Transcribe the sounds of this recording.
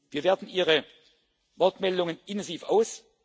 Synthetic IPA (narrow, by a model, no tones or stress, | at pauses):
viːɐveːɐdn̩ʔiːʁə | vɔɐtmɛldʊŋənɪntɛnziːfaʊs